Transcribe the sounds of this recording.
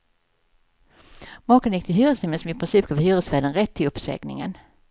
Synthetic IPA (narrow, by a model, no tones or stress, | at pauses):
mɑːkənjɪk̚t̪ʰɪɦyːɾəsɪməsɔmɪpʰɾɪnsiːp̚ɡɑːvhyːɾəsvæːd̪ənɾɛt̪ʰːɪlɵpsɛ̰ɡnɪ̰ŋə̰n